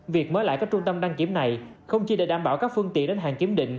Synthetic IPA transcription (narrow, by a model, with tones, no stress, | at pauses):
vi˨˩ək̚məː˨˦jla̰ː˧˨kaː˦˥k̚t͡ɕʊ˧ŋ͡mt̪ə˧mɗaː˧ŋki˨˦əmna˨˩jxə˧wŋ͡mt͡ɕi˧ɗḛ˧˩ɗaː˧˩mɓaː˧˩wkaː˦˥k̚fɨ˧əŋt̪ḭ˧˨ənɗe˨˦nɦaː˨˩ŋki˨˦əmɗḭ˧˨ŋ̟